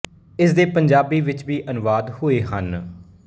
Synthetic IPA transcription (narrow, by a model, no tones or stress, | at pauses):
ɪsd̪eːpəɲd͡ʒaːbiːʋɪt͡ʃʋiːʔənʋaːd̪ɦʊeːɦən